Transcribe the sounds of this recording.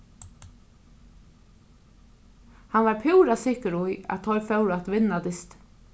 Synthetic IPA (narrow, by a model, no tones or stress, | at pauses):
hanʋɑɹpʰʉːɾasɪhkəɾʊjæ̰t̪ʰɔʏɾfœwɾat̪ʋɪnːad̪ɪst̪